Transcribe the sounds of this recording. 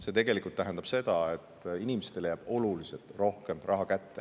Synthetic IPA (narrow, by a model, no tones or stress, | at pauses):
se̞t̪e̞ɡ̥e̞likult̪ːæɦenɑb̥se̞d̪̥ɑet̪ːˑinimest̪elejæb̥o̞luliset̪ro̞hke̞mrʔɑɦɑkæt̪ːe̥